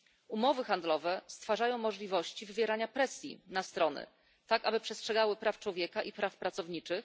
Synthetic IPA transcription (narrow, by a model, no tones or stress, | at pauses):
umɔvɘxand̪lɔvɛst̪faʐajɔ̃w̃mɔʐlʲivɔɕt͡ɕivɘvʲjɛɾaɲapɾɛsʲjḭnast̪ɾɔnɘ̰ | t̪akabɘpʂɛstʂɛɡawɘpɾaft͡ʂwɔvʲjɛkaʔipɾafpɾat̪sɔvɲit͡ʂɘx